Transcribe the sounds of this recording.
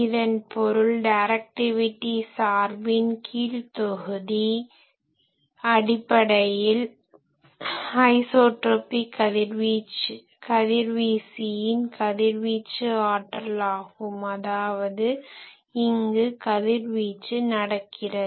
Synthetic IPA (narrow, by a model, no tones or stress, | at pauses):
ɪðɐnpɔɾɯɭɖɐɪɾɐk̚ʈɪʋɪʈːisaːɾbɪnkʰiːlt̪ɔɣɯði | ɐɽɪpːɐɽɐjɪl | hɐɪsoːʈɾoːpikːɐðɪɾʋit͡ʃ | kɐðɪɾʋiːsɪjɪnkɐðɪɾʋiːt͡ʃːɯaːʈːɐlaːɣɯmɐðaːʋɐðɯ | ɪŋɡɯkɐðɪɾʋiːt͡ʃːɯnɐɽɐkʰːɪrɐ